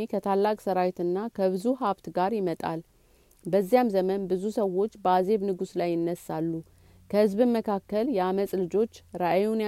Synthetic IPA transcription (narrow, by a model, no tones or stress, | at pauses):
ekʰət̪ʰalːakʼsəɾawt̪ɨnːakʰəβɨzuɦaβt̪ɡaɾjɪmət̪ʼal | bəzːijamzəmənbɨzusəwo̞t͡ʃːbəaze̞βnɨɡuslajːɪnːəsːalːu | kʰəhɨzbɨnməkʰakːəljɛaməsʼlɨd͡ʒo̞t͡ʃːɾaʔajun